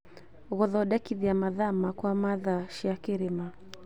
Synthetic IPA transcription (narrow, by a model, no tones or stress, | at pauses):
ɣɔðɔɗakiðiamaðamakwamaðaʃiakeɾema